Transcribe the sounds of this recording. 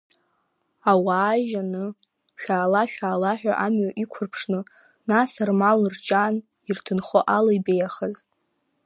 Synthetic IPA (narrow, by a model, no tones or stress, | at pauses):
awaːʒanɨ | ʃᶣaːlaʃᶣaːlaħᶣa̰ʔamɥaʔikʷʰʊrpʰʂnɨ | nasarmalrt͡ʃʼaːn | irtʰɨnχoʔalajbejaχəz